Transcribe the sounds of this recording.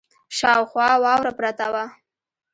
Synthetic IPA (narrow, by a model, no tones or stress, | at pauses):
ʃɑwxwɑwɑwɾapɾat̪awa